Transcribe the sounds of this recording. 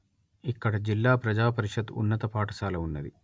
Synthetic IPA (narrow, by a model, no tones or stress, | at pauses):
ikːɐɽɐd͡ʒilːaːpɾɐd͡ʒaːpɐɾiʂɐd̪ṵnːɐt̪ɐpaːʈɐʃaːlɐunːɐd̪ḭ